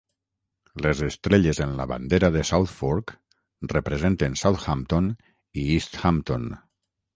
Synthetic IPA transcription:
lezest̪ɾeʎezenla̰βa̰nd̪eɾaðesawt̪fuɾk | repɾezent̪ensawt̪xamt̪on | iist̪xamt̪on

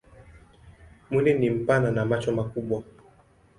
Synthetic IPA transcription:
munɛnim̩pananamat͡ʃɔmakuɓwa

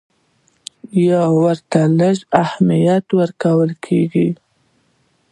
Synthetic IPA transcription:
jawəɾt̪aləʒahmijat̪wəɾkawəlkʰeɡi

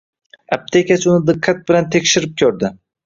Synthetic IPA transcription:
ab̚t̪ʰekʲat͡ʃʊnɪd̪ɨqʰːat̪̚bɪlant̪ʰe̞kʲʃɪɾɪp̚kʲʰɵɾd̪ɪ

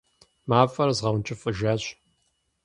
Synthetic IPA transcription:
maːfʼɐɾɐzʁɐwnt͡ʃʼɪfʼɨʒaːɕ

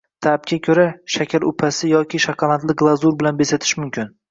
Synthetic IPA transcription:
t̪ʰap̚kʲʰakʲʰɵɾaʃakʲʰaɾʊ̰pʰasɪjɒkʲʰɪʃakʰɑlˠant̪lɪɡlˠazuɾbɪlanbesat̪ʰɪ̥ʃmʊmkʲɪn

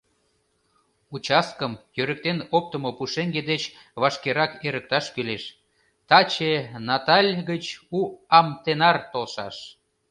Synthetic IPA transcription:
ut͡ɕɑskəmjøɾə̆k̚t̪enop̚t̪əmopuʃeŋɡed̪et͡ɕ | βɑʃkeɾɑkeɾək̚t̪ɑʃkyleʃ | t̪ɑt͡ɕenɑt̪ɑlʲɡət͡ɕuɑmt̪enɑrt̪olʃɑ̰ʃ

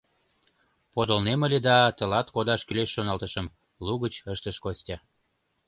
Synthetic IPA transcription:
pod̪olneməlʲed̪ɑt̪əlɑt̪kod̪ɑʃkyleʃːonɑlt̪əʃəm | luɣət͡ɕəʃt̪əʃkosʲtʲɑ

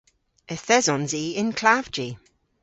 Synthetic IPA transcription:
əθɛzɔnziɪnkʰl̥av̥d͡ʒi

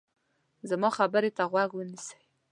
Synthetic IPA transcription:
zamɑχabəɾet̪ʰaʁwaɡwənisḁj

